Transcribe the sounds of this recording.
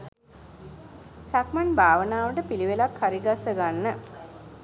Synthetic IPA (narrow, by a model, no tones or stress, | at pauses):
sakmanbʱaːʋənaːʋəʈəpiliʋelakhaɾiɡasːəɡanːə